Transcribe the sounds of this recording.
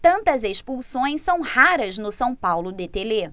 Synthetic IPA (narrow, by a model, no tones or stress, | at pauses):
t̪ɐ̃nt̪ɐzespuwsõj̃ssɐ̃w̃haɾɐznʊsɐ̃w̃pawlʊd̪et̪ele